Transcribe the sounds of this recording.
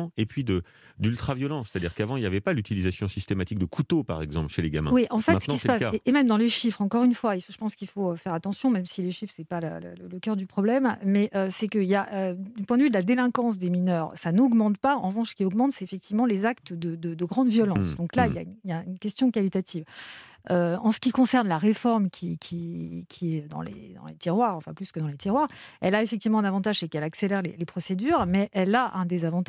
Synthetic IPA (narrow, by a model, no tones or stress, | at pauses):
epɥid̪ə | d̪ylt̪χavjɔlɑ̃se̥t̪ad̪iʁkavɑ̃iljavɛpalyt̪ilizasjɔ̃sist̪emat̪ik̚d̪əkʰut̪opaʁɛɡzɑ̃plʃeleɡa̰mɛ̰̃wiʔɑ̃fɛttsə̥kisəpaseʔemɛmd̪ɑ̃leʃifχɑ̃kɔʁynfwaifʒəpɑ̃skilfoøfɛʁat̪ɑ̃sjɔ̃mɛmsileʃifχsɛpalə̰lə̰lələkœʁd̪ypχɔblɛmːɛʔøsɛkəiljaʔød̪ypwɛ̃d̪əvyd̪əlad̪elɛ̃kɑ̃s̬d̪eminœːʁsanɔɡmɑ̃t̪paɑ̰̃ʁəvɑ̃ʃsə̥kʲiɔɡmɑ̃t̪sɛefɛk̚t̪ivmɑ̃lezakt̪d̪əd̪əd̪əɡʁɑ̃d̪vjɔlɑ̃sd̪ɔ̃klailja̰ynjaynkʲɛst̪jɔ̃kalit̪at̪ʰiv | øɑ̃sə̥kʲikɔ̃sɛʁnlaʁefɔʁmkʲʰikʲʰikʲʰiɛd̪ɑ̰̃lḛd̪ɑ̰̃let̪iʁwaʁɑ̃fɛ̰̃plyskəd̪ɑ̃let̪iʁwaʁɛlaefɛk̚t̪ivmɑ̃ɛ̃navɑ̃t̪aʒsekɛlakselɛʁlelepχɔsed̪yʁmɛʔɛlaʔɛ̃d̪ezavɑ̃t̪